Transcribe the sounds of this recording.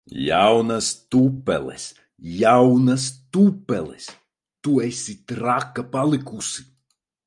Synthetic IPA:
jawnast̪upːɛ̰lˠḛs | jawnɐs̬t̪upːɛlˠḛs | t̪uesʲit̪ɾakːapalˠikusi

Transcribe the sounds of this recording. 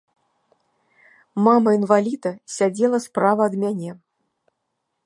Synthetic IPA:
mamɐinvalʲit̪ɐsʲad͡zʲɛlˠɐspɾavɐːd̪mʲanʲɛ

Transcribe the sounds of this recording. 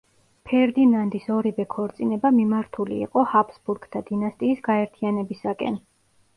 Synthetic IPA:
pʰɛɾd̪inand̪isɔɾivɛkʰɔɾt̪sʼinɛbamimaɾt̪ʰulḭːqʼɔhapʰsbuɾɡ̥t̪ʰad̪̥inast̪ʼiːsɡaɛɾt̪ʰianɛbisakʼɛ̰n

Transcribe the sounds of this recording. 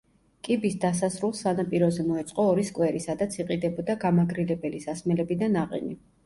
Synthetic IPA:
kʼibisd̪asasɾulˠsanapʼiɾɔzɛmɔɛt̪sʼqʼɔːɾiskʼwɛɾisad̪at̪sʰiqʼid̪ɛbɔd̪aɡamaɡɾilɛbɛlisasmɛlɛbid̪anaqʼɛ̰ni

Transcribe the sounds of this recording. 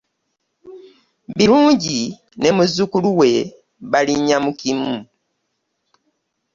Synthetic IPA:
βiɾuːɲɟi | ne̞muzukuluwe̞ | βaliɲamukimu

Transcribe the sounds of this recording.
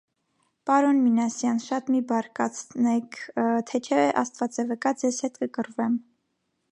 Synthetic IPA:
pɑɾɔnminɑsjɑnʃɑt̪mibɑɾkɑt͡sʰnɛkʰt̪ʰɛt͡ʃʰɛʔɑst̪vɑt͡sɛvəkɑd͡zɛzhɛt̪kəkəɾvɛm

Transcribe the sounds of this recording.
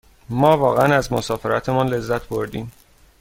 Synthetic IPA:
mɒːvɒːɣeænæzmosɒːfeɾæt̪ʰe̞mɒːnle̞zːæt̪ʰboɾd̪iːm

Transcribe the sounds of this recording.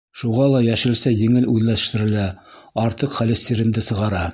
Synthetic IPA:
ʃuʁɑlˠɑjæʃɘ̆lsæjɘ̆ŋɘlʉðlæ̥̆ʃt̪ɘ̆ɾɘ̆læ | ɑɾt̪ɤqχælɘ̆st̪iɾɘ̆nd̪ɘsɤ̆ʁɑɾɑ

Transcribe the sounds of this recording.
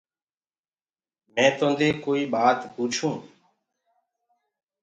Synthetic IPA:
mɛ̃ːt̪õːnd̪eːkoːiːɓaːt̪puːt͡ʃʰũː

